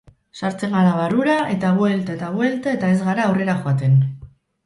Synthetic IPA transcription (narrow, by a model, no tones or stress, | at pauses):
saɾt͡se̞ŋɡaɾaβaruɾaʔe̞t̪aɣwe̞lt̪aet̪aɣwe̞lt̪ae̞t̪ae̞zɣaɾaːwre̞ɾaxoat̪e̞n